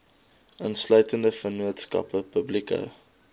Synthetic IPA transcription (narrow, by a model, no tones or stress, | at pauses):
ʔənslœɥtəndəfənuətskɐ̰pəpəblikə̰